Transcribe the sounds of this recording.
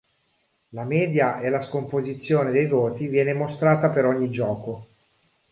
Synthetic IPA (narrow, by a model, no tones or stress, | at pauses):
lamɛːd̪jaʔelaskompozit̪sːjoːned̪ejvoːt̪ivjɛːnemost̪ɾaːt̪apeɾɔɲːid͡ʒɔːko